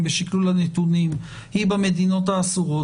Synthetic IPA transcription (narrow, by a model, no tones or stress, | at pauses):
mbeʃiklulanet̪unim | hibame̞d̪ino̞t̪haːsuʁo